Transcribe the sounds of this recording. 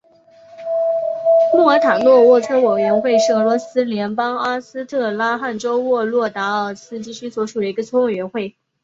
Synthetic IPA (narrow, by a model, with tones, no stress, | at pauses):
mu˥˩ə˞˧˥t̪ʰa˨˩ŋlwɔ˥˧wɔ˥˩ʈ͡ʂʰɤ˥we˨˩ɥɛ˧˥nxwe˥˧ɪʂɻ̩˥˩ɤ˧˥lwɔ˧˥sɹ̩˥ljɛ˧˥npɑ˥ŋa˥sɹ̩˥t̪ʰɤ˥˩la˥xa˥˩nʈ͡ʂo˥ʊwɔ˥˧lwɔ˥˩t̪a˧˥ə˞˥˨˩sɹ̩˥t͡ɕi˥˩t͡ɕʰy˥swɔ˧˥ʂu˨˩d̪ə˦i˧˥ɡə˧t͡sʰo˥ŋwe˨˩ɥɛ˧˥nxwe˥˩ɪ